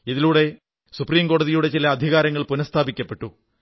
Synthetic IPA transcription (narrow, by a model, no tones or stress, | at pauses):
iðiluːɽe̞ | supriːmko̞ːɽɐðijuɽe̞t͡ɕilɐːd̪ʱiɣaːɾɐŋːɐɭpunɐst̪ʰaːbikʲːɐpːe̞ʈːu